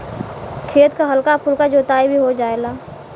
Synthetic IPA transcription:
kʰeːt̪kaɦəlkapʰʊlkad͡ʒoːt̪aːibʱiɦod͡ʒaːelaː

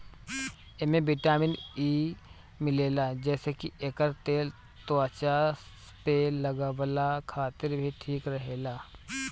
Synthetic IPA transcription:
emẽbɪʈaːmɪniː | mɪleːlaːd͡ʒɛːsekieːkəɾt̪eːl | t̪aːt͡ʃa | peləɡəʋlakʰaːt̪ɪɾbʱiʈʰiːkɾɐɦeːlaː

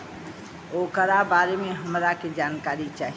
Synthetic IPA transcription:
oːkəɾabaːɾemẽɦɐmɾaked͡ʒaːnkaːɾit͡ʃaːɦ

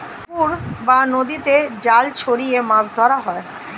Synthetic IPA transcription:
puɾbanod̪it̪ed͡ʑalt͡ɕʰoɾijemãsd̪ʱɔɾaɦɔe

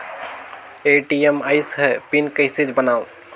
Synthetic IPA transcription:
eʈiemaːɪsɦɛpinkəɪsid͡ʒbənaːo

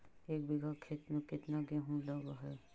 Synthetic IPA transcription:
eːkbiɡakʰet̪nẽkɪt̪naɡɛɦũlɔɡaɦɛ

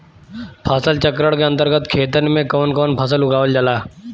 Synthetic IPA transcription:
pʰaːsəlt͡ʃəkɾəɽkeɐ̃nt̪əɾɡət̪kʰeːt̪ənmẽkɔːnkɔːnpʰəs̬əlʊɡaːʋəld͡ʒəlaː

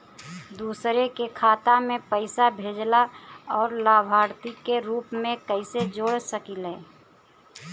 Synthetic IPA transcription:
d̪uːsɾekekʰaːt̪amẽpəɪsabʱeːd͡ʒlaɔːɾlaːbʱaːɾt̪ikeɾuːpmẽkəɪsed͡ʒoːɽsəkilɛː

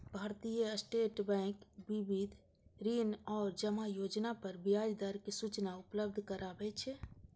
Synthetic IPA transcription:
bʱaɾt̪ijəsʈeʈbɛ̃kbibid̪ʱ | ɾinɔːɾd͡ʒəmajod͡ʒnapəɾbijad͡ʒd̪aɾkesut͡ʃnaupləb̚d̪ʱkəɾabɛt͡ʃʰɛ

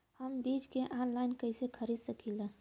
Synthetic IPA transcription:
həmbid͡ʒkeʔanlajnkəɦsekʰəɾid̪səkilə̃

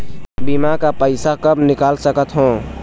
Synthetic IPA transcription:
bimakapəɪsakəbnɪkaːlsəkət̪ɦõ

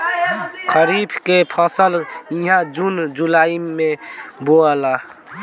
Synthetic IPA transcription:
kʰəɾipʰkepʰəsəliɦãd͡ʒund͡ʒulaːimeboəla

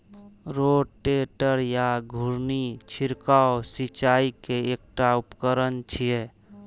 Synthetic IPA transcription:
ɾoːʈeːʈəɾjaɡʱʊɾnit͡ʃʰɪɾkaosit͡ʃaːikeeːk̚ʈaʊpkəɾənt͡ʃʰie

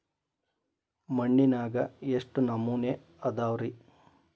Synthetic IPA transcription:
mɐɳːinaːɡɐeʂʈunɐmːuːne | ɐd̪aːʋɾi

